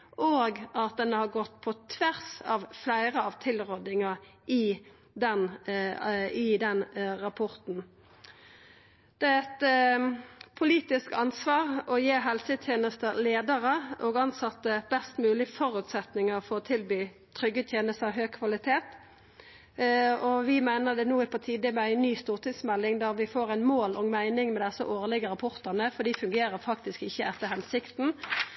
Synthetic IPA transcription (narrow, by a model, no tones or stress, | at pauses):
ʔoːɡɑt̪̚d̪ɛnəhɑʁɡɔt̪ːpʰɔt̪ʰʋæʁsɑːʋflæɪʁəɑʋt̪ʰɪlʁɔd̪ɪŋə | ʔɪ | d̪ɛn | ɪd̪ɛnʁɑpʰɔʁt̪n | d̪̥ɛæɛt̪ | pʰʊliːt̪ɪskɑnsʋɑːʁɔjeːɦɛlsət̪ʰjeːnəst̪əleːd̪əʁəʔɔːɡɑnsɑt̪ːəb̥ɛst̪mʉːlɪfɔʁʉt̪sɛt̪nɪŋəʁfɔʁɔt̪ʰɪlbyː | t̪ʰɾʏɡət̪ʰjeːnəst̪əɑʋɦøːɡ̚kʰʋɑlɪt̪ʰeːt̪ | ɔʋɪmæɪnəd̪ɛnuːɪpʰɔt̪ʰiːd̪ɪmɛæɪnyːst̪uːʁt̪ʰɪŋsmɛlːɪŋd̪æʁʋɪfoːʁæɪnmoːlʔɔŋmæɪnɪŋmɛd̪ɛsə̰ʔoːʁlɪɡəɾɑpʰɔʁt̪ənəfɔd̪iːfʉŋɡeːɾəfɑkt̪ɪskɪçːəɛt̪ːəhɛnsɪkt̪n̩